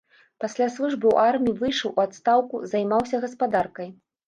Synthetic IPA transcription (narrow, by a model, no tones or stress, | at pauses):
pasʲlʲaslˠuʐbɨw̰ʔarmʲijivɨjʂɐwʔuat̪st̪awkuzajmawsʲɐɣɐspad̪arkɐj